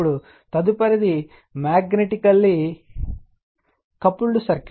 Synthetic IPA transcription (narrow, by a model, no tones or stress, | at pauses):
ɭu | t̪ɐd̪upɐɾɐd̪i | maːɡneʈikɐlːi | kɐpːuɭːusɐɾk